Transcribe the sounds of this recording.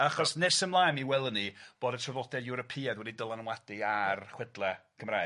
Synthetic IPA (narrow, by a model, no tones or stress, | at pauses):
aχɔsnɛrsəmlˠaːjmiwɛlˠənib̥oːdətʰrɔvlɔdɛjuɾɔpʰiːadwɛdidəlˠanəwadiarχwɛdlˠɛkʰəmra